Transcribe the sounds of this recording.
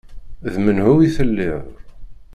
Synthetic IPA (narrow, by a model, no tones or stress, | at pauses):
ðmənhuwiθəlːɪðˤ